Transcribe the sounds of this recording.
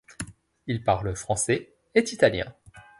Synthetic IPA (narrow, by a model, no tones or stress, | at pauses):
ilpaʁləfχɑ̃sɛ | et̪it̪aljɛ̰̃